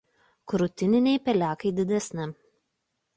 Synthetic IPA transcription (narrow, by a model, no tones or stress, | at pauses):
kɾʊt̪ʲɪnʲɪnʲɛɪpʲɛlʲæːkɐɪd̪ʲɪd̪ʲɛsʲnʲɪ